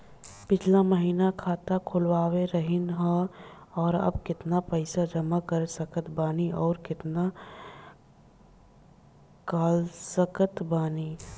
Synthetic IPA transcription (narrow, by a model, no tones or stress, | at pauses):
pɪt͡ʃʰlaməɦiːnakʰaːt̪akʰʊlwaːweɾəɦɪnɦã | ɔːɾɐ̰b̚kɪt̪napəɪsad͡ʒɐmakəɾesɐkət̪baːniɔːɾkɪt̪na | kaːlsəkət̪baːni